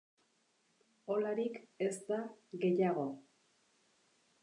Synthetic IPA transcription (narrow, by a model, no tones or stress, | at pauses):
o̞laɾike̞st̪aɣe̞jaɣo̞